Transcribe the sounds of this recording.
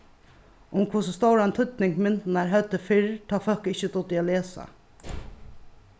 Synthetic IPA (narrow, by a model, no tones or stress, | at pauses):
ʊmkʰʊsəst̪owɾaɛnt̪ʰʏt̪nɪŋkmɪnt̪naɹɦœt̪ːəfɪɹt̪ʰɔːfœhkɪçət̪ʊt̪ɪaleːsa̰